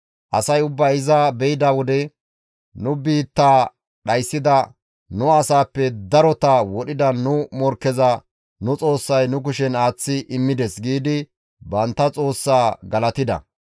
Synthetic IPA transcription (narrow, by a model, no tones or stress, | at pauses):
ʔɐsɐjʊbːɐjɪzɐbɛjɪd̪ɐwɔd̪ɛ | nʊbiːt̪ːaː | ɗɐjsːɪd̪ɐ | nʊɐsaːpːɛd̪ɐɾɔt̪ɐwɔɗɪd̪ɐnʊmɔɾkːɛzɐ | nʊt͡sʼo̞ːsːɐjnʊk̬ʊʃɛnaːt͡sːɪʔɪmːɪd̪ɛsɡiːd̪ɪ | bɐnt̪ːɐt͡sʼo̞ːsːaːɡɐlɐt̪ɪd̪ɐ̰